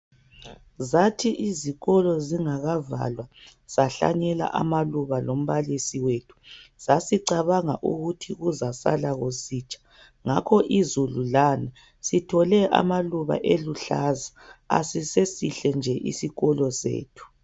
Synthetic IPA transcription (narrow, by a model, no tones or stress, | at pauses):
zatʰiʔiziɣɔlɔziŋaɣava̰lwaz̥aɬa̰ɲɛla̰ʔa̰maluβalom̩βalisiwetʰu̥z̥asiǀaβaŋaʔṵɣutʰiɣuzasa̰laɣosiːt͡ʃʼḁ | ŋakʰɔʔizululana | sitʰɔlɛʔa̰maluβa̰ʔeluɬazaa̰sisesiɬɛnd͡ʒʱɛʔḭsiɣɔlɔsḛːtʰu̥